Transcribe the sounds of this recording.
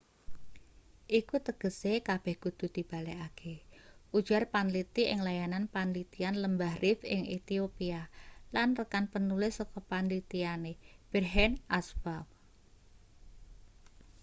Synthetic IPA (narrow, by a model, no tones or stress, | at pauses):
ʔikut̪əɡ̥əsekab̥ɛhɡ̥ud̪̥ṳd̪̥i̤b̥a̤lɛakʰeʔud̥ʒ̥arpanlit̪iʔɪŋlajananpanlit̪ianləmbahrʔɪfɪ̰ŋet̪iopialanrəkanpənulɪsɔkɔpanlit̪ianeb̥ərɦɛnʔasbap̚